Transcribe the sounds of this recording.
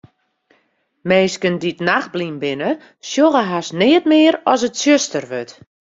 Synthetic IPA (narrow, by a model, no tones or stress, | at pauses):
meːskənditnax̚blimbɪnə | sjoɣəɦasnɪːətmɪːəɾɔs̬ətsjøstərʋøt